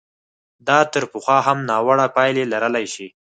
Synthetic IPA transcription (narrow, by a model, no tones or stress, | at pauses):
d̪ɑt̪əɾpəxɑɦamnɑwaɽapɑjlelaɾəlajʃi